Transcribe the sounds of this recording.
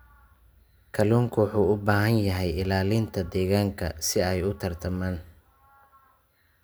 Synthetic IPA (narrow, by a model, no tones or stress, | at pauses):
kʰɐlɔːŋkʰʊwɑħuːʊbaːɦɐnjɐɦɛjɪlaːlɪnt̪ʰɐd̪ɛːɣaːŋkʰɐ̰sɪɛjʊt̪ʰɐrt̪ʰɐmaːn